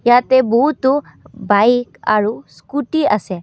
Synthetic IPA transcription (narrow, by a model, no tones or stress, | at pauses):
jat̪ebɔɦut̪u | bajka̰ɹuskuʈiasɛ